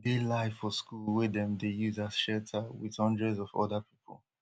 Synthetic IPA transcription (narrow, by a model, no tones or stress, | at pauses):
delaɪfɔskuwɛdɛ̃mdejuzḁʃɛltʰəwɪ̰ðɔ̃ndɹɛzɔvɔ̰dəpʰi̥pʰə̰l̩ˠ